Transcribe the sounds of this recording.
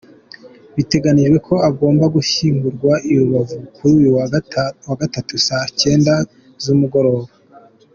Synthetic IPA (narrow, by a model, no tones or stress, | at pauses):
βite̞ɡaniʒɡwe̞kʰo̞aɡo̞ːmbaɡuçiːmɡuɾɡwaʔijuβavukʰuɾuːjuwawaɡatatusace̞ːnda | zumuɡo̞ɾo̞ːβa